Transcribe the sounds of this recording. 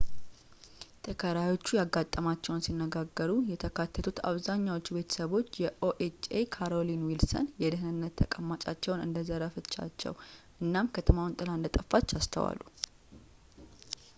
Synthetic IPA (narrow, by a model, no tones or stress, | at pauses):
t̪ʰʼəkʰəɾajo̞t͡ʃːujaɡːat̪ʼːəmat͡ʃːɛwunsinːəɡaɡːəɾujɛt̪ʰəkʰat̪ʰːət̪ʰut̪a̰βzaɲːawot͡ʃːube̞t̪ʰə̥səβo̞t͡ʃːjɛʔoʔet͡ʃekʰaɾo̞linwilsə̰njɛd̪ɨɦnɨnːət̪ʰːəkʼəmːat͡ʃʼat͡ʃːɛwnɨ̰nd̪əzəɾəfɨt͡ʃːa̰t͡ʃːɛ̰wʔɨnːamkʰət̪ʰəmawnt̪ʼɨland̪ət̪ʼəfːat͡ʃːast̪ʰə̰wa̰lːṵ